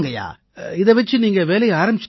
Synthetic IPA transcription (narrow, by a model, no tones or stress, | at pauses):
ŋɡɐja̰ː | ɪðɛʋɐt͡ʃːɯniːŋɡɐʋeːlɐɪjaːɾɐmbɪt͡ʃː